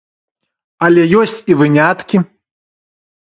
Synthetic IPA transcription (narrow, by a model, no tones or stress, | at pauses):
ɐlʲɛjɔsʲt͡sʲivɨnʲat̪kʲi